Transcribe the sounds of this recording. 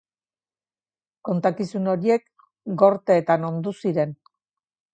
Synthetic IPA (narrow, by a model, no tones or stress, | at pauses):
ko̞nt̪akisuno̞ɾie̞k | ɡo̞ɾt̪eːt̪ano̞nd̪usiɾe̞n